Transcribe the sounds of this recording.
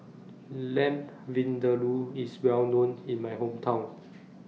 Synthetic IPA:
lɛ̃m | vĩndəluiswɛlnõnĩnmajɦõmtʰãw̃n

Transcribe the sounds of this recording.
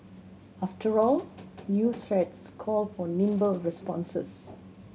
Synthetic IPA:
aftəɹɔlnjuːt̪ʰɹɛtskʰɔlfɔnĩmbəɹɛspɔ̃nsə̰s

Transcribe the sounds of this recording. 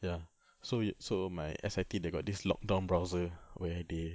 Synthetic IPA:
ja | sosomajɛ̰sajtideɡɔt̚dislɔ̰k̚dãʊ̃nbɹaʊzəwɛade

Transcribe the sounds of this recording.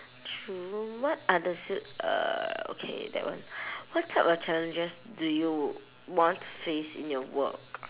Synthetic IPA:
tʰɹuwɔt̚adəsjutʌ̰o̰kʰḛdɛ̰tʔ̚wã̰nwɔtʰːaɪpɔt͡ʃɛlə̃nd͡ʒəsduju | wɔ̃ntʰu̥fesḭ̃njɔwə̰k

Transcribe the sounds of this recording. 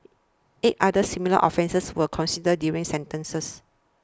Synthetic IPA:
ʔet̚ʔadəsimilə̰ʔɔ̰fɛ̃nsəswəkʰɔ̃nsidədjuɹĩŋsɛ̃ntə̃nsəs

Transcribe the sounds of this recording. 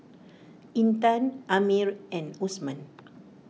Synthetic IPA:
ʔĩnt̪ãnʔamiɹɛ̃nusmãn

